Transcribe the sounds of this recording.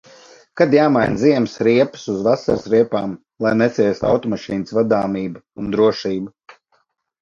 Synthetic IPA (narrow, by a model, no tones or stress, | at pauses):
kad̪jaːmajnziɛmsɾiɛpɨ̥suzvasa̰ɾsɾiɛpaːm | lˠajnɛt̪siɛst̪a̰wt̪ɔmaʃiːnɨsvad̪aːmiːba | und̪ɾuɔʃiːba